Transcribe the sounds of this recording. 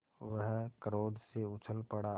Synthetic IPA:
ʋəɦkəɾoːd̪ʱseʊt͡ʃʰəlpəɽa

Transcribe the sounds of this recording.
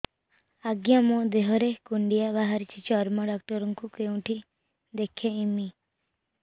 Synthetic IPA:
aɡjãmɔ̃d̪eɦɔɾekuɳɖijabaɦaɾit͡ʃʰit͡ʃɔɾmãɖak̚ʈɔɾɔŋkukeũʈʰi | d̪ekʰːeimi

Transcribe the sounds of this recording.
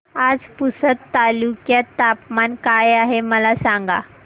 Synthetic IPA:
ad͡zpusət̪ːalukjat̪apmankajaɦeməlasaŋɡa̰

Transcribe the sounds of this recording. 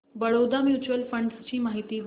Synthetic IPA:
bəɭod̪amjut͡ɕuʋəlfəɳɖst͡ɕiːmaɦit̪iːd̪

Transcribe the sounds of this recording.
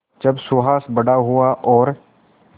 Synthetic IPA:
d͡ʒɐbsʊɦaːsbɐɽaɦuaʔɔːɾ

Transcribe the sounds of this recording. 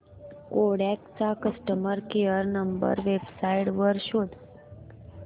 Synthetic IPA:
koɽɛkt͡ʃakəsʈəməɾkeəɾnəmbə̰ɾʋebsaiɽʋəɾʃod̪

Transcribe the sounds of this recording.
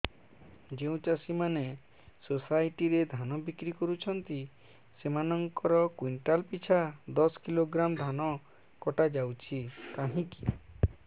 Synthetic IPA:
d͡ʒeũt͡ʃasimane | sosajʈiɾed̪ʱanɔbikɾikɔɾut͡ʃʰɔnt̪i | semanɔŋkɔɾɔkwiɳʈalpit͡ʃʰad̪ɔskiloɡɾamd̪ʱanɔ | kɔʈad͡ʒawt͡ʃʰikaɦĩki̥

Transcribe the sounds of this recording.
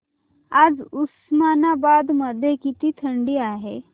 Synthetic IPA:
ad͡zusmanabad̪məd̪ʱjekit̪iːt̪ʰəɳɖiːaɦe

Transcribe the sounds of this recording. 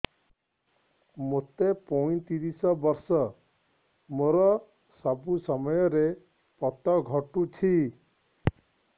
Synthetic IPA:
mot̪epɔĩt̪iɾisɔbɔɾsɔ | moɾɔ | sɔbusɔmɔjɔɾe | pɔt̪ɔɡʱɔʈut͡ʃʰi

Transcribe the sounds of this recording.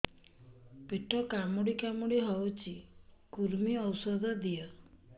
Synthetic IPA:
peʈʰɔkamuɽikamuɽiɦɔwt͡ʃʰikuɾmiɔwsɔd̪ʱɔd̪ijɔ

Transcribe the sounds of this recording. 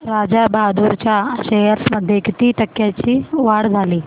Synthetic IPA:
ɾad͡ʑabad̪uɾt͡ɕjaɕejəɾməd̪ʱːjekʰt̪iːʈ̪əkːjat͡ɕiːʋaɽd͡zʱaliː

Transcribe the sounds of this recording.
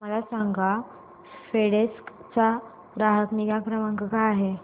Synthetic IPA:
məlasaŋɡa | feɽeskt͡sa | ɾaɦək̪niɡakɾəməŋkəkaaɦe

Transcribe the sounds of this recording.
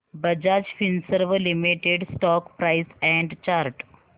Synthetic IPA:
bəd͡ʑad͡ʑfinsəɾʋəlimiʈeɖsʈɔkpɾajsɛ̃ɳɖt͡ʃaɾʈ

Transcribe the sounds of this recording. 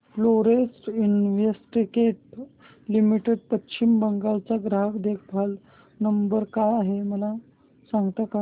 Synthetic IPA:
floɾesʈinʋesʈikeʈ̚ | limiʈeɖpəɕimbəŋɡaʋt͡saɡɾaɦəkd̪ekʰpʰal | nəmbəɾkajaɦeməla | saŋɡt̪aka

